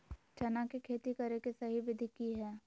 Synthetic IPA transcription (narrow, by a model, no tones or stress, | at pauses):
t͡ʃɐnakekʰeːt̪ikɐɾekesɐɦiʋɪd̪ʱɪkiɦɛː